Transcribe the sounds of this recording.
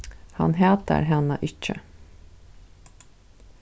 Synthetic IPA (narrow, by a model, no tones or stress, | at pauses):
hɑ̰nɦeːt̪ə̰ɾhɛnɑʔɪt͡ʃə